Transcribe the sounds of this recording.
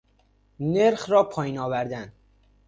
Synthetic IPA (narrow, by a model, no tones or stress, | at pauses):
neɾxɾɒːpʰɒːjiːnɒːvæɾd̪æn